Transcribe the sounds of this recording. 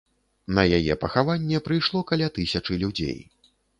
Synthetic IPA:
nɐjajɛ̰pɐxavanʲːɛpɾɨjʂlˠɔkalʲat̪ɨsʲɐt͡ʂɨlʲud͡zʲḛj

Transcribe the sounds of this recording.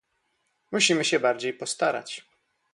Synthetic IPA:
muɕimɘɕɛbaɾd͡ʑejpɔst̪aɾa̰t͡ɕ

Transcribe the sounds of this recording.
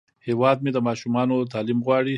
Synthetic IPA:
hewɑːd̪̚med̪əmɑʃumɑnot̪ɑːlimɣwɑɽi

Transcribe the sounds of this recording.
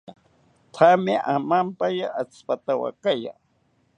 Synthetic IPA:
t̪ʰamɪʔamampajaʔat͡spat̪awa̰kaja̰

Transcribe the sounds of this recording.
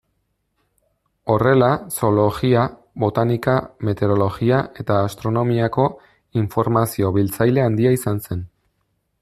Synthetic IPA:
o̞re̞laso̞lo̞ɣia | βo̞t̪anikame̞t̪e̞ɾo̞lo̞ɣiaʔe̞t̪aːst̪ɾo̞no̞miako̞ | iɱfo̞ɾmasio̞βilt͡sajle̞and̪iaisanse̞n

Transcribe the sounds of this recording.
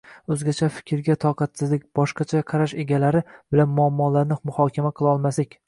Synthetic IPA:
ɵzɡʲat͡ʃʰafɪ̥kʲʰɪɾɡʲat̪ʰɒqʰɑt̪sɪzlɪk̚ʲb̥ɒʃqɑt͡ʃʰajqʰɑɾaʃeɡʲalaɾɪb̥ɪlanmʊamːɒːlaɾnɪqmʊhɒkʲʰamaqʰɨlˠɒlˠmaslɪkʲ

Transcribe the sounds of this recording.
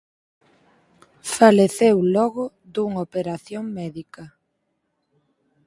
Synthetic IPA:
faleθewlɔɣʊ | ðuŋopeɾaθjoŋmɛðikɐ

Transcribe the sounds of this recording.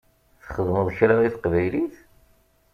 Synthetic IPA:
θχəðməðˤçɾaðiθqvæjliθ

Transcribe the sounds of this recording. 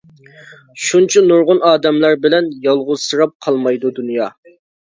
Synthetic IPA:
ʃunt͡ʃʰinuɾʁʊnɑːd̪ɛmlæɾbɪlɛnjɑlˠʁʊz̥sɨɾɑp̚qʰɑlˠmɑjd̪ud̪unjɑː

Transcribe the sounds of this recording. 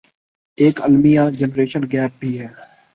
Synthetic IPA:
eːkəlmijãːd͡ʒənɾeːʃənɡɛːpːiːɦɛː

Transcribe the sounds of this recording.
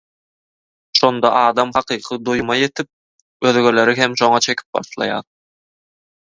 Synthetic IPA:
ʃo̞nd̪ɑʔɑːd̪ɑmχɑqʰɯːqʰɯd̪ujumɑje̞t̪ʰip̚ | ø̞ðɡøle̞ɾiɦe̞mʃo̞ŋɑt͡ʃʰe̞kʲʰi̥p̚bɑ̰ʃlˠɑ̰jɑ̰ːɾ

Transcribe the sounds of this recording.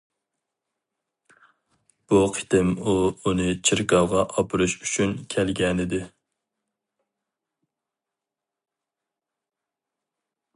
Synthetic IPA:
b̥uqʰɪ̥t̪ɪmuunɨt͡ʃʰiɾkɑʁɑʔɑpʰɨɾuʃyt͡ʃʰynkʲʰɛlɡʲɛnɪd̪ɪ

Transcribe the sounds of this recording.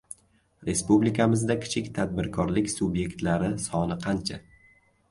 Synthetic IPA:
ɾe̞spublikʰamɪzd̪akʲʰɪ̥t͡ʃʰɪkʲt̪ʰad̪̚bɪɾkʰɒɾlɪkʲsʊbje̞kʲt̪laɾɪsɒnɪqʰɑnt͡ʃʰa

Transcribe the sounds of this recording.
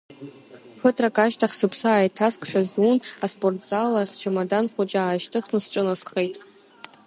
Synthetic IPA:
fɨtʰʼrakʼaʃtʰaχʲsɨpʰsaːjtʰaskʰʼħʷᶣazunaspʼortʰʼzalaχʲt͡ʃʰamadanχʷut͡ʃʼaːʃtʰɨχnɨsʈ͡ʂʼɨnasχejtʼ

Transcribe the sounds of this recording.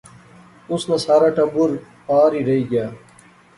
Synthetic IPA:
ʊsnãːsaːɾaːʈɐbuɾ | paːɾiːɾɐiːɡjaː

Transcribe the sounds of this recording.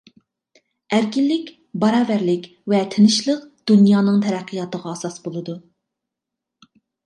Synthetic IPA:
æɾkʲɪlːɪkʲ | bɑɾɑːvæɾlɪkʲ | vɛt̪ʰɪnɪʃlˠəqd̪̥unjɑːnɨŋt̪ʰɛɾæqʰːəjɑt̪əʁɑːsɑsbolˠɨd̪u

